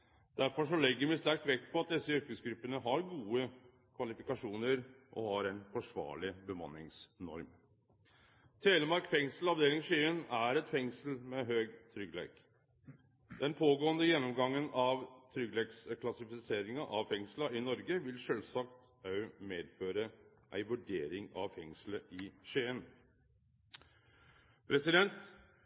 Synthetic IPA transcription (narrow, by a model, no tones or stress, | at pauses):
d̪̥æɾfɔʂɔlɛɡːəɾmɪst̪æɾk̚t̪ʋɛkt̪̚pʰɔɑt̪̚d̪ɛsːəʏɾkəsɡɾʉpːənəɦɑɾɡuːə | kʰʋɑlɪfɪkɑʂuːnəɾʔɔ̰hɑɾɛnfɔʂʋɑ̰ːɭɪbəmɑ̰nːɪ̰ŋsnɔ̰ɾm | t̪ʰeːləmɑɾkfɛŋsəlɑʋd̪eːlɪŋʂyːənæɾɛt̪fɛŋsəlmɛɦøːɡt̪ʰɾʏɡlḛːk | d̪̥ɛnpʰoːɡoːənd̪əjɛnːɔmɡɑŋːənɑʋt̪ʰɾʏɡleːkskʰlɑsɪfɪseːɾɪŋɑʔɑʋfɛŋslɑʔɪnɔɾɡəʋɪlʂøːlsɑkt̪ | ɑʉmeːd̪føːɾə | ʔæ̰ɪʋʉɖeːɾɪŋɑ̰ʋfɛŋsləʔɪʃeːən | pʰɾɛsɪd̪ɛnt̪